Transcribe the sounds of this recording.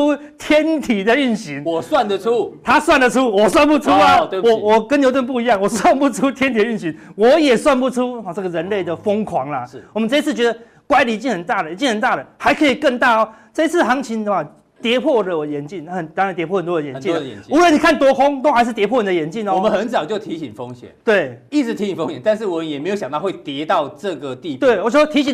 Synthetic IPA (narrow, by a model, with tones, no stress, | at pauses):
u˦ | t̪ʰjɛ˦˥nt̪ʰi˨˩d̪ə˨y˥˩nɕi˨˦ŋ˨˩swa˥˨nd̪ə˨u˦t̪ʰa˦swa˥˩ndə˨ʈ͡ʂʰu˦˥wɔ˨˩swa˥˧npu˥˩ʈ͡ʂʰu˦a˨wɔ˨wɔ˨˩kə˦nljo˧ʊt̪ə˥˧np̬u˥˩i˧˦jɑ˥˩ŋwɔ˨˩swa˥˧npu˥˩ʈ͡ʂʰu˦t̪ʰjɛ˥nt̪ʰi˨d̪ə˦y˥˩nɕi˨˦ŋwɔ˨˦jɛ˨˩swa˥˧np̬u˥˩ʈ͡ʂʰu˦˨˧ʈ͡ʂə˥˩ɡə˩ɻə˧˦nle˥˩ɪd̪ə˩fo˦ŋkʰwɑ˧˦ŋlɐ̰˨˩wɔ˨mə˦nt͡sɤ˥˧i˧˥t͡sʰɹ̩˥˩t͡ɕɥɛ˧˥d̪ə˧ | kwa˧˥ɪli˨i˧˩t͡ɕi˥˩ŋhə˨˩nt̪a˥˩d̪ə˩i˨˥t͡ɕi˥˩ŋhə˨˩nt̪a˥˩d̪ə˩ha˧˥ɪkʰɤ˧˥i˨˩kə˥˧ŋt̪a˥˩ɔ˨ | ʈ͡ʂɤ˥˧i˦t͡sʰɹ̩˥˩xɑ˧˥ŋt͡ɕʰi˧˥nd̪ə˧˨ma˨˩ | t̪jɛ˧˥pʰwɔ˥˩lə˩˨jɛ˨˧˦nt͡ɕi˥˩nxə˨˩nt̪ŋ˨nt̪jpʰwɔ˥˩hə˨nt̪wɔ˥d̪ə˨jɛ˨nt͡ɕḭ˥˨˦u˧˥wə˧˩ni˨˩kʰa˥˩nt̪wɔ˥ko˦˥ŋt̪o˥ʊxa˧˥ɪʂ̬ɻ̩˥˩t̪jɛ˧˥pʰwɔ˥˩n˨˩d̪ə˨jɛ˧˥nt͡ɕi˥˩nɔ˨ɔ˨mə˦nxə˨˦nt͡sɑ˨˩ʊt͡ɕjo˥˩ʊt̪ʰi˨˥ɕi˨˩ŋfo˦ŋɕjɛ̰˨˦nt̪we˥˩ɪi˥˩t͡sɻ̩˧t̪ʰi˧˥ɕi˨˩fo̰˥˦ŋɕɛ˨˦nt̪a˥˧nʂ̬ɻ̩˥˩wɔ˨˩mə˨˦njɛ˨me˧˥ɪjo˧ʊɕjɑ˨ŋt̪ɑ˥˧xwe˥˩t̪jɛ˧˦t̪ɑ˥˧ʊʈ͡ʂɤ˥˨˩ɡə˩t̪i˥˧t̪we˥˩ɪwɔ˨˩t͡ɕo˥˧˩t̪ʰi˧˥ɕi˨